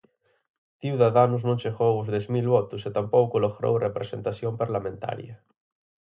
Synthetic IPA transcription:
θiwðaðanuznõŋʃeɣowozðezmilβɔt̪uset̪ampowkuloɣɾo̰wrepɾesent̪asjompaɾlamẽnt̪a̰ɾjɐ

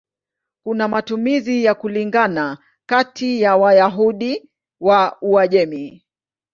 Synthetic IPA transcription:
kunamatumizijakuliŋɡana | katʰijawajaɦuɗi | wauaʄɛmi

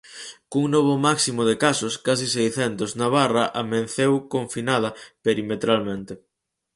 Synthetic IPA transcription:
kuŋnɔβ̞ʊmaksimʊðekasʊskas̬isejθɛnt̪oznaβ̞arɐʔamenθewkoɱfinað̞ɐpeɾimet̪ɾalmẽnt̪e

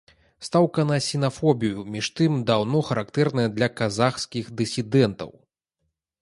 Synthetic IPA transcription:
st̪awkɐnɐsʲɛnafɔbʲijumʲiʂt̪ɨmd̪awnɔxɐɾakt̪ɛrnɐjɐd̪lʲɐkazaxskʲixd̪ɨsʲid̪ɛnt̪ɐ̰w

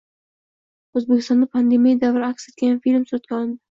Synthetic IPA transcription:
ɵzbekʲɪst̪ɒnd̪apʰand̪emijad̪avɾɪakset̪̚kʲajanfilmsʊɾat̪̚kʲaɒlˠɪnd̪ɪ

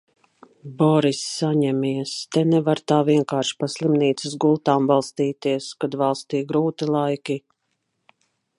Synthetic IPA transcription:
bɔɾisːaɲɛmiɛst̪ɛnɛvaɾt̪aːviɛŋkaːɾʃi̥paslˠimniːt̪sɪsɡulˠt̪aːmvalˠst̪iːt̪iɛəskad̪valˠst̪iːɡɾuːt̪ilˠajkʲi

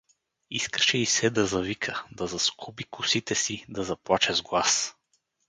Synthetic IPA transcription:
iskə̥ʃɛisɛd̪ɐzɐvikʰəd̪ɐzɐskʰubikʰʊsit̪ɛsid̪ɐzɐplˠat͡ʃɛzɡlˠas

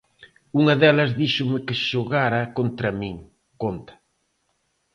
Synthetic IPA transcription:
uŋɐðɛlɐzðiʃʊmɪkɪʃoɣaɾɐkont̪ɾɐmĩŋ | kont̪ɐ̥

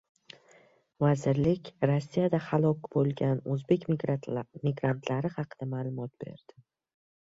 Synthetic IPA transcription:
vazɪɾlɪkʲɾosːijad̪ahalˠɒkʲbolˠɡʲanɵzbe̞kʲ | mɪɡɾant̪ʰlaɾɪhɑqʰɨd̪̥amaːlˠʊmɒt̪̚b̥e̞̰ɾd̪̥ɪ

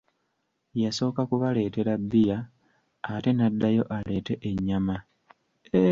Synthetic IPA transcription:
jaso̞ːkakuβale̞ːte̞ɾabːijaː | te̞nadːajo̞ʔale̞te̞ʔeɲːama

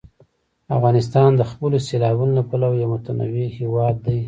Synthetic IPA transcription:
afɣɑnɪs̬t̪ɑnd̪əxpəloselɑbunolapalawjawmʊt̪ana̰wihewɑd̪ːaj

